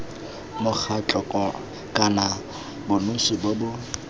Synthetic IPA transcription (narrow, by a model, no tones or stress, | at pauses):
mʊk͡xʰat͡ɬʼɔkʼɔ | kʼana | bʊnʊsɪbobʊ